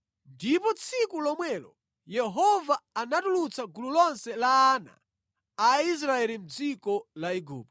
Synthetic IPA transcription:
ndipɔt͡sʰikulɔmwɛlɔ | jɛɦɔvaːnatulut͡saɡululɔnsɛlaːna̰ː | is̬ɾaɛlim̩d͡zikɔlaiɡṵːp̚

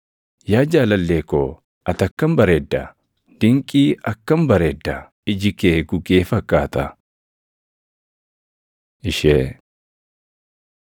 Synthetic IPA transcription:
jaːd͡ʒaːlɐlːeːko | ʔɐt̪ɐkːɐmbɐɾeːd̪ːɐ | d̪̥ɪŋkʼiːɐkːɐmbɐɾeːd̪ːɐ | ɪd͡ʒɪkeːɡʊɡeːfɐkʼːaːt̪ɐ | ɪʃeː

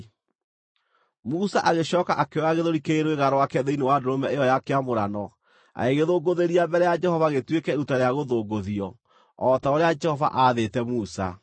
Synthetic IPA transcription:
musaʔaɣeɕɔːkaʔakeaɣeðoɾikeeɾweɣaɾɔwakɛðeinewadoɾomɛejɔjakeamoɾanɔ | a̰eɣeðoːɡoðeɾiambɛɾɛjad͡ʒɛhɔvaɣetwekɛeutaɾeaɣoðoːɡoðiɔ | ɔtaoɾead͡ʒɛhɔva̰ʔaðetɛmuːsa̰

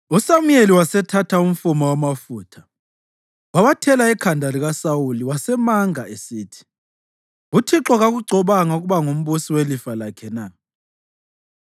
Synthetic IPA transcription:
usamujeliwasɛtʰatʰaum̩fumawamafuːtʰḁ | wawatʰɛlaɛkʰandʱaliɣasawuliwasɛmaŋaesiːtʰi̥ | ɣutʰiǁɔɣaɣuɡ͡ǀʱɔβaŋauɣuβaŋom̩βusiwelifalakʰɛna

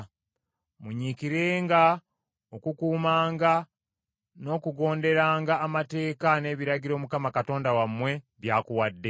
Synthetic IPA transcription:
muɲikiɾe̞ːŋɡa | okukuːmaːŋɡa | no̞ːkuɡo̞ːnde̞ɾaːŋɡaːmate̞ːkane̞ːβiɾaɟiɾo̞ːmukamakato̞ːndawamwe̞ | βjaːkuwadːe̞

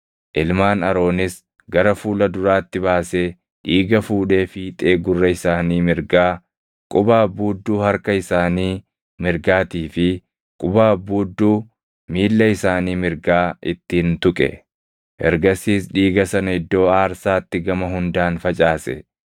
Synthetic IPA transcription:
ʔɪlmaːnɐɾo̞ːnɪs | ɡɐɾɐfuːlɐd̪ʊɾaːt̪ːɪβaːse̞ː | ᶑiːɡɐfuːᶑe̞ːfiːt̪ʼeːɡʊrːɐɪsaːniːmɪɾɡaː | kʼʊbaːbuːd̪ːuːhɐɾkɐɪsaːniː | mɪɾɡaːt̪iːfɪ | kʼʊbaːbuːd̪ːuː | miːlːɐɪsaːniːmɪɾɡaːʔɪt̪ːiːnt̪ʊkʼɛ̰ | ʔɛ̰ɾɡɐsiːsᶑiːɡɐsɐnɐɪd̪ːo̞ːaːɾsaːt̪ːɪɡɐmɐɦʊnd̪aːnfɐt͡ʃʼaːsɛ̰

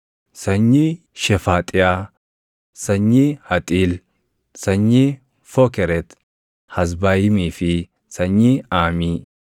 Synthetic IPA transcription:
sɐɲːi | ʃɛfaːt̪ʼɪja | sɐɲːihɐt̪ʼiːl | sɐɲːi | fɔkɛɾɛt̪ | hɐs̬baːjɪmiːfɪ | sɐɲːiaːmiː

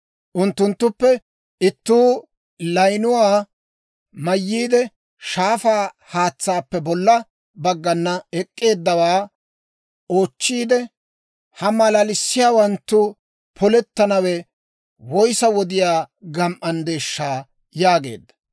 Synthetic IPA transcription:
ʔʊnt̪ːʊnt̪ːʊpːɛ | ɪt̪ːuː | lɐjnʊwaː | mɐjːiːd̪ɛ | ʃaːfaː | haːt͡sːaːpːɛbɔlːɐ | bɐɡːɐnːɐɛkʼːe̞ːd̪ːɐwaː | o̞ːt͡ʃːiːd̪ɛ | hɐmɐlɐlɪsːɪjaːwɐnt̪ːʊ | pʰɔlɛt̪ːɐnɐwɛ | wɔjsɐwɔd̪ɪjaːɡɐmʔɐnd̪e̞ːʃːaː | jaːɡe̞̰ːd̪ːɐ̥

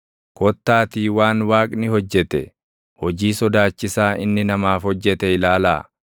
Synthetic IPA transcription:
kɔt̪ːaːt̪iːwaːnwaːkʼnɪhɔd͡ʒːɛt̪ɛ | hɔd͡ʒiːsɔd̪aːt͡ʃːɪsaːʔɪnːɪnɐmaːfhɔd͡ʒːɛt̪ɛɪlaːla̰ː

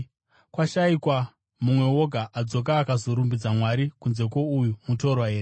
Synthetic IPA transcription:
kwaʃaikwa | mumwe̞wo̞ɡʱaʔad͡zo̞k̬aːkazo̞ɾumbid͡zamwaɾikunze̞ko̞ujumuto̞rwaɦe̞ːre

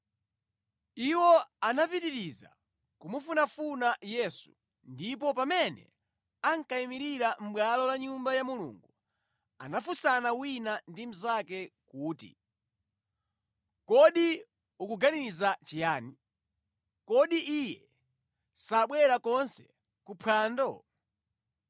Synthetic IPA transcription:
iwɔanapitiɾiza̰ | kumufunafunajɛsu̥ | ndip̬ɔpamɛnɛ̰ | aŋkaimiɾiɾam̩ɓwalɔlaɲumbajamulṵːŋɡu | a̰nafusanawinandim̩zakɛkuːtḭ | kɔɗi | ukuɡaniizat͡ʃijaːni | kɔɗiʔijɛ | saɓwɛɾakɔnsɛ̥ | kupʰwaːndɔ

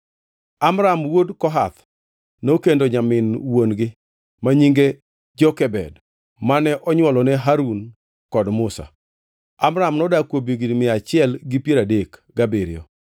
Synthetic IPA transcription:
amɾamwodkɔɦat̪ | nokendoɲamɪnwonɡɪ | maɲiŋɡe | d͡ʒɔkɛbɛ̰d | manɛʔɔɲwɔlɔnɛɦaɾun | kɔdmʊsa̰ | amɾamnɔdakwobjiɡinmɪat͡ʃɪɛlɡɪpjeɾadekɡabeɾɪjɔ̰

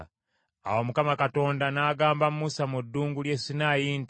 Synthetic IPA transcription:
a̰womukamakato̞ːndanaːɡaːmbammusamudːuːŋɡulje̞sinaːjiːnt

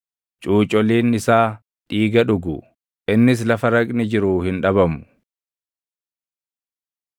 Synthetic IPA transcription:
t͡ʃʼuːt͡ʃʼɔliːnɪsaː | ᶑiːɡɐᶑʊɡʊ | ʔɪnːɪs̬lɐfɐɾɐkʼnɪd͡ʒɪɾuːhɪnᶑɐβɐmʊ̥

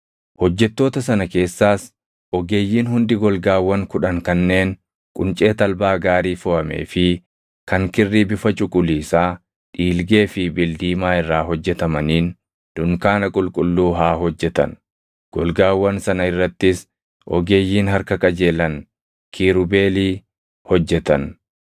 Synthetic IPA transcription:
hɔd͡ʒːɛt̪ːo̞ːt̪ɐsɐnɐke̞ːsːaːs | ɔɡeːjːiːnhʊnd̪ɪɡɔlɡaːwːɐŋkʊᶑɐŋkɐnːe̞ːn | kʼʊ̰nt͡ʃʼe̞ːt̪ɐlbaːɡaːɾiːfɔʔɐmḛːfɪ | kɐŋkɪrːiːbɪfɐt͡ʃʼʊkʼʊliːsaː | ᶑiːlɡe̞ːfɪbɪld̪iːmaːɪrːaːɦɔd͡ʒːɛt̪ɐmɐniːn | d̪̥ʊŋkaːnɐkʼʊlkʼʊlːuːɦaːɦɔd͡ʒːɛt̪ɐ̰n | ɡ̥ɔlɡaːwːɐnsɐnɐɪrːɐt̪ːɪs | ʔɔ̰ɡe̞ːjːiːnhɐɾkɐkʼɐd͡ʒe̞ːlɐn | kʰiːɾʊbe̞ːliː | hɔd͡ʒːɛt̪ɐn

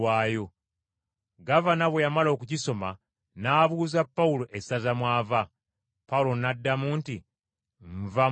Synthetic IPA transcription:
waːjo̞ | ɡavanaβwejamalo̞ːkuciso̞ma | naːβuːzapːawulo̞ʔesazamwaːva | paulo̞nadːamuːnti | ɱva

